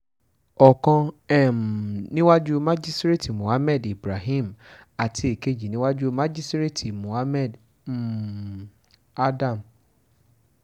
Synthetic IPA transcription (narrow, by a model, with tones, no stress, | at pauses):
ɔ˨kã˧ɛ˦˨m˨nĩ˦wa˦d͡ʒu˦mã˦d͡ʒi˦stɾe˦˨ti˨mũ˨ha˦mɛ˦˨di˨bɾa˨ɦĩ˦˨m̩ | a˨tʰi˧˦e˨ke˦˨d͡ʒi˨nĩ˦wa˦d͡ʒu˦mã˦d͡ʒi˦stɾe˦ti˨mũ˨ha˦mɛ˦˨d | a˦dã˦˨m˨